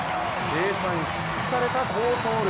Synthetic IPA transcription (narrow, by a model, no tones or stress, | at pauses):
kʰe̞ːsãɲ̟iɕi̥t͡sɨ̥ki̥saɾe̞t̪ako̞ːso̞ːɾ